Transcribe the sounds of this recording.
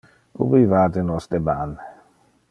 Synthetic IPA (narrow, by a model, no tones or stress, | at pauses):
ṵbivadɛnɔst̪ɛbanɛ